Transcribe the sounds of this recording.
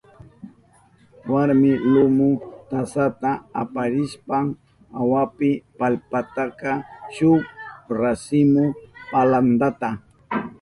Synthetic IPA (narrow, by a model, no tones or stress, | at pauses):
waɾmɪlʊmʊt̪asat̪aapaɾɪʃpaŋ | awapɪpalpat̪akɑʃʊɾasɪmʊpaland̪at̪a